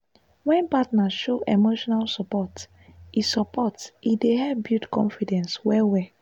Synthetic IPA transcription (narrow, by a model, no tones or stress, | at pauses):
wɛ̃npatnaʃoʔemoʃɔnalsɔpɔt | isɔpɔtideɦɛbjutkɔ̰̃nfidɛ̃nswɛwɛ